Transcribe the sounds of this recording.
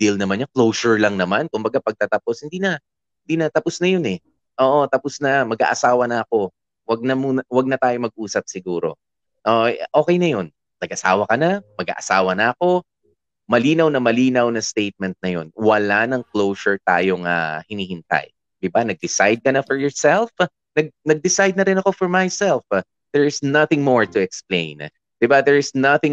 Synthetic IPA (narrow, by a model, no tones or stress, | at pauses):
d̪ilnɐmɐnɲɐklowsʊɹlɐŋnɐmankʊmbɐɡapɐɡ̚t̪ɐt̪ɐposhɪnd̪iːnɐ | hɪnd̪iːnɐt̪ɐpʊsnɐjonɛ | ʔoːʔo̞t̪ɐpʊsnɐmɐɡa̰ʔɐsaːwɐnɐʔɐko̞ | wɐɡ̚nɐmuːnɐwɐɡ̚nɐt̪aːjo̞mɐɡ̚ʔuːsɐp̚sɪɡuːɾo̞̰ | ʔoʔʔo̞ːkɛjnɐjo̞n | nɐɡʔɐsaːwɐkɐnamɐɡa̰ːʔɐsaːwɐnɐʔɐko̞ | mɐliːnɐwnɐmɐliːnɐwnɐst̪ejt̪̚mɛnt̪̚nɐjo̞̰nwɐlanɐŋklowsʊɹt̪a̰ːjoŋa̰hɪniːhɪnt̪a̰j | d̪̥ɪbanɐɡ̚d̪ɪsajd̪̚kɐnɐfɔɹjɔɹsɛlf | nɐɡ̚nɐɡ̚d̪ɪsajd̪̚nɐɾɪnɐko̞fɔɹmajsɛlf | d̪̥ɛɹɪsnɐθɪ̃ŋmoɹt̪ʊɛksplḛ̃ɪ̃n | d̪̥ɪbaðɛɹɪsnɐθɪ̃ŋ